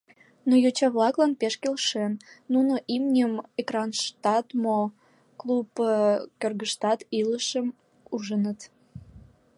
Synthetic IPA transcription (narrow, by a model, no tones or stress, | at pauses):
nojot͡ɕɑβlɑklɑnpeʃkelʃenːunoʔimnʲəmekrɑnʃt̪ɑt̪mo | klupkørɣəʃt̪ɑt̪iləʃəm | uʒənət̪